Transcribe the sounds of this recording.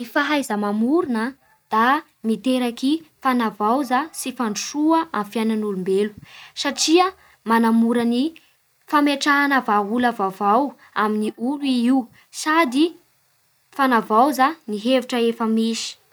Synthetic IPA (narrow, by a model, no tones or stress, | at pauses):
ifaɦajzəmamuɾunə | d̪̥a | nit̪eɾakifanavawzasifaɳʂuəʔamfjananulumbelu̥saʈ͡ʂiə | manamuɾəni | fameʈ͡ʂaːnəvaɦulavavaw | aminiuliiw | sad̪i | fanavawzaniɦeviʈ͡ʂəefəmisi̥